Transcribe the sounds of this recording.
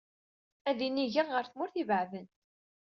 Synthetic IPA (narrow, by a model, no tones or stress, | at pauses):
æðiniʝæʁəɾθmʊɾθivəʕðən